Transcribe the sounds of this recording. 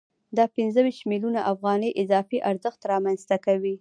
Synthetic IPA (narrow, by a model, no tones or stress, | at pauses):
d̪ɑpɪnzəwiʃt̪milunaʔafɣɑnəjʔɪzɑfiʔaɾzəxt̪ɾɑmanzt̪akawi